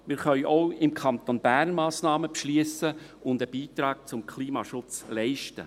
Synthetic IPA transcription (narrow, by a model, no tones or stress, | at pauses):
mɪɾχœʏʔoʊɪmkʰɑnt̪onb̥æːrnmɑːsnɑːməpʃliəsə | ʊnd̪əb̥iːt̪ɾɑːk̚t͡sʊmkʰliːmɑ̰ʃʊt͡slɛɪʃtə̰